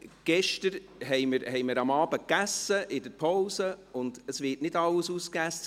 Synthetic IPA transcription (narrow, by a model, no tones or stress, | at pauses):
ɡ̥ɛʃtəɾ | hɛɪməɾhɛɪməɾɑmɑːb̥əkːæsːəʔɪdəpʰoʊsəʊnd̥əsʋɪtnɪdɑlːəsuːskæs